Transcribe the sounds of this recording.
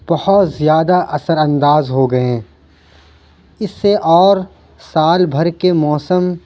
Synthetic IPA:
b̥ɐhɔt̪zjaːd̪aʔɐsəɾɐ̃nd̪aːzɦoɡɐẽː | ɪsːeʔɔːɾ | saːlbʱɐɾkemɔːsəm

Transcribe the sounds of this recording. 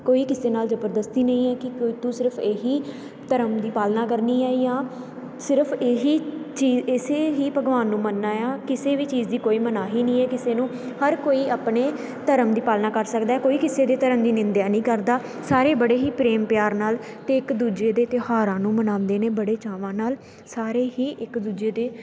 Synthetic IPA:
koːiːkɪseːnaːlzəbəɾd̪əst̪iːnəĩːɛːkɪkot̪ũːsɪɾəpʰeːɦiː | t̪əɾəmd̪iːpaːlnaːkəɾniːɛːjãː | sɪɾəpʰeːɦiːt͡ʃiːzɪseːɦiːpəɡʋaːnːũːmənːaːjaːkɪseːʋiːt͡ʃiːzd̪iːkoːiːmənaːɦiːnĩːɛːkɪseːnũː | həɾkoːiːʔaːpneː | t̪əɾəmd̪iːpaːlnaːkəɾsəkd̪aːɛːkoːiːkɪseːd̪eːt̪əɾəmd̪iːnɪ̃nd̪jaːnĩːkəɾd̪aː | saːɾeːbəɽeːɦiːpɾeːmpɪjaːɾnaːlt̪eːɪkd̪uːd͡ʒeːd̪eːt̪ɪhaːɾãːnũːmənãːnd̪eːneːbəɽeːt͡ʃaːʋãːnaːl | saːɾeːɦiːʔɪkd̪uːd͡ʒeːd̪eː

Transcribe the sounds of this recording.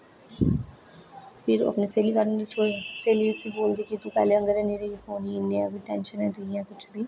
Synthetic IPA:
pʰɪɾɐ̰pneseːlikɐɾneɾsoseːliʊsiboːld̪ekit̪ũpɛ̰ːleə̃ŋɡəɾɛ̃neːɾeisoːniɪneɛbiʈɛ̃ːnʃənɦɛ̃ːt̪uijãːkʊt͡ʃʰbʱiː

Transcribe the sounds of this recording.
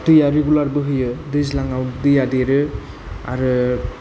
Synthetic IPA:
tɯjaɾeɡulaɾbɯɦɯjɯdɯzlaŋawdɯjadeɾɯ | a̰ɾɯ

